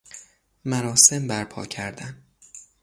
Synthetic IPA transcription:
mæɾɒːse̞mbæɾpʰɒ̰ːcʰæɾd̪æn

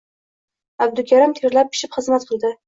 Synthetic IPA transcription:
ab̚d̪ʊkʰʲaɾɪmt̪ʰeɾlap̚ʰːɪ̥ʃɪpχɨzmat̪̚qʰɨlˠd̪ɪ

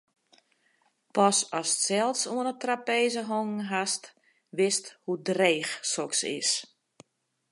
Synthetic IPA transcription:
pɔsɔsətsɛlˠsuənətrapeːzəɦoŋŋɦast | ʋɪsthudreːxsɔksɪ̰s

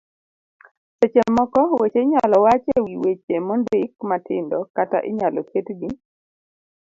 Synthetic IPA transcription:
set͡ʃemɔkɔwet͡ʃeɲalɔwat͡ʃewiwet͡ʃemɔndɪkmatʰɪ̰ndɔkata̰ʔɪɲalɔketɡɪ

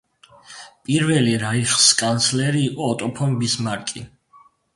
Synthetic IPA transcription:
pʼiɾvɛliɾaiχskʼant̪sʰlɛɾiːqʼɔːt̪ʼɔpʰɔmbismaɾkʼi

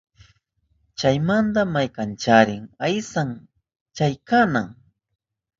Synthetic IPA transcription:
t͡ʃajmant̪amajkant͡ʃaɾɪŋajsaŋ | t͡ʃajkanaŋ

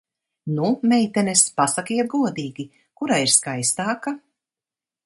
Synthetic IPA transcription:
numɛjt̪ɛnespasakiɛt̪̚ɡuɔd̪iːɡʲi | kuɾaiɾskajst̪aːka

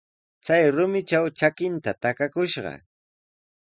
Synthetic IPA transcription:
t͡sajɾʊmɪt͡ʃawt͡ʃakɪnt̪at̪akakʊʃɢɑ̰

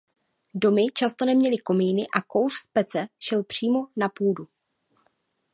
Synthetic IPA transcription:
do̞mɪt͡ʃast̪o̞nɛmɲɛlɪko̞mijnɪʔako̞wr̥spɛt͡sɛʃɛlpr̝̥iːmo̞napuːdu

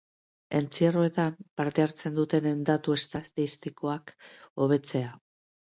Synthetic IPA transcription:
e̞nt͡siero̞e̞t̪ampaɾt̪e̞aɾt͡se̞nd̪ut̪e̞nend̪at̪ue̞st̪at̪ist̪iko̞ako̞β̞e̞t͡se̞a

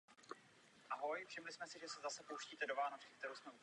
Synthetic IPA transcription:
ʔaɦo̞jfʂɪmlɪsmɛsɪʒɛsɛzasɛpowʃciːt̪ɛdovaːnot͡ʃɛ̥k̚t̪ɛɾowsmɛu

